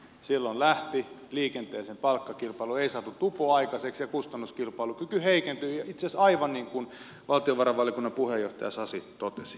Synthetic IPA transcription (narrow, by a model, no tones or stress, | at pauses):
silːollæht̪iliːkent̪eːsempɑlkːɑkilpɑilueisɑt̪ut̪upoɑikɑseksjɑkust̪ɑnːuskilpɑilukykyheikent̪yːjɑit̪sesɑiʋɑnniːŋkun | ʋɑlt̪ioʋɑrɑʋɑlikunːɑpuhejoht̪ɑjɑ̰sɑsit̪ot̪esi̥